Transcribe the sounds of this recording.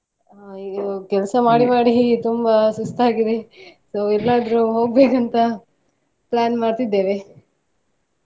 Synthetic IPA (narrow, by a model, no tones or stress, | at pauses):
aiːɡɐkɛlsɐmaːɽimaːɽit̪umbɐsust̪aːɡid̪e̞soːɛlːaːd̪ɾuɦo̞ːɡ̚beːkɐnt̪ɐ | plaːnmaːɽt̪id̪ːeːʋe